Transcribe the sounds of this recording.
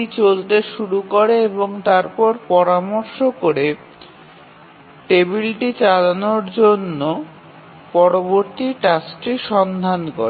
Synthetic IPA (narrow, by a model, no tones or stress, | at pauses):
it͡ɕolt̪eʃuɾukoɾeeboŋt̪aɾpɔɾpɔɾamoɾʃokoɾe | ʈebilʈit͡ɕalanoɾd͡ʑonːo | pɔɾoboɾt̪iʈasʈiʃɔnd̪ʱanko̰ɾe